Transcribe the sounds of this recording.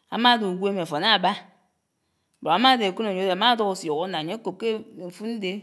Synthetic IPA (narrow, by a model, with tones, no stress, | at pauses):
a̰˨ma˦do˨ɡʷe˦me˨fo˨na˦˨ba˦˨ | ba˨˦ma˦de˨ku˦no˨ɲo˨˦de˨a˨ma˦do˦ko˨sjo˨ɣo˦na˨ɲe˦ko˨p̚ke˦˨ɱ̩˨fu˦n̩˦de˦